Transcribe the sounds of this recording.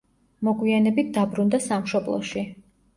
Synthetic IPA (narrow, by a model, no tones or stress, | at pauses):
mɔɡwianɛbit̪̚ʰd̪abɾund̪asamʃɔblˠɔ̰ʃi